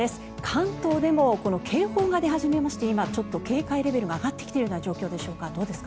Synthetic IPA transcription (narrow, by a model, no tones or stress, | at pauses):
e̞sɨ̥ | kʰãnt̪o̞ːd̪e̞mo̞ko̞no̞kʰe̞ːho̞ːɡad̪e̞ɦaʑime̞maɕi̥t̪e̞imat͡ɕo̞t̪ːo̞ke̞ːkaiɾe̞be̞ɾɯ̟ɡaːɡat̪ːekʲi̥t̪eɯoːnaʑo̞ːkʲo̞ːd̪e̞ɕo̞ːkad̪o̞ːd̪e̞sɨ̥ka